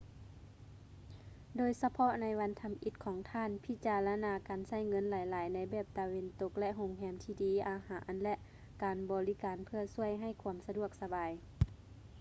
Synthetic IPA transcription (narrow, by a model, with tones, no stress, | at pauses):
doː˨jsa˧pʰɔ˧˥ʔna˧˥jʋa˧˥nt̪ʰa˧˦mʔi˧˦t̪̚kʰɔː˨˦ŋt̪ʰaː˧˥˨npʰi˧˥t͡ɕaː˨˧la˧naː˧kaː˨˩nsa˧˩˨jŋɤ˧˥˨nlaː˨˦jlaː˨˦jna˧˥jbɛː˧˩p̚t̪a˨˧ʋe˧nt̪o˧k̚lɛ˧ʔɦo˧˨ŋɦɛː˧˥mt̪ʰiː˧diː˨˦ʔaː˨˦haː˨˩˦ʔnlɛ˧ʔ | kaː˨˩nbɔː˨li˧˥kaː˨npʰɯ˧ɐsu˧˩əjɦa˧˩˨jkʰu˧˦əmsa˧du˧˩ək̚sa˧baː˨j